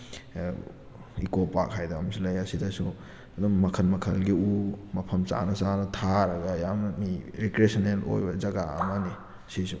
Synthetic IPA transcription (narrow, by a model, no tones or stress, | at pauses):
ikopa̰khajdɐːmsulɐjɐsidɐsu | ɐdɐmːɐkʰɐnmɐkʰɐlɡiumɐpʰɐmt͡ʃa̰nɐsanɐtʰaɾɐɡɐjammiɾekɾesɐnelo̰jbɐd͡ʒɐɡaɐ̰mani | ɐsisu